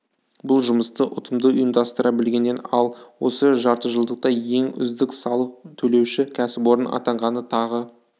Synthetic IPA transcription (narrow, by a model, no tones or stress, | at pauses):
bʊlˠʒʊməst̪əʔʊt̪ʰəmd̪əʊjəmd̪ɑst̪əɾʔɑbɪlɡʲe̞nːe̞nɑlˠwo̞̰səʒɑɾt̪əʒəlˠd̪əq̚t̪ɑje̞ŋʏ̰zd̪ɪksɑlˠəq̚t̪ʰɵle̞wʃɪkʲʰæsɪpwo̞ɾənɑ̰t̪ɑɴʁɑnət̪ʰɑʁə